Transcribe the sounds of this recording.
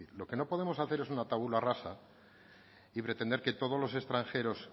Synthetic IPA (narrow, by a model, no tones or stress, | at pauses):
ilo̞ke̞no̞po̞ðe̞mo̞saθe̞ɾesunat̪aβularasa | ipɾe̞t̪e̞nd̪eɾke̞t̪o̞ð̞olo̞se̞st̪ɾaŋxe̞ɾo̞s